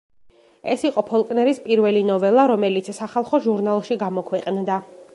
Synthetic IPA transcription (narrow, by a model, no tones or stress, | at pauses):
ɛ̰siqʼɔpʰɔlˠkʼnɛɾispʼiɾvɛlinɔvɛlˠaɾɔmɛlit̪sʰsaχalˠχɔʒuɾnalˠʃiɡamɔkʰwɛqʼnd̪a